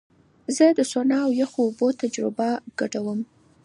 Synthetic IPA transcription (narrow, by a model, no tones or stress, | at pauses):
zəd̪əsonɑawjaxoːbot̪ad͡ʒɾɪbaɡ̥aɖawəm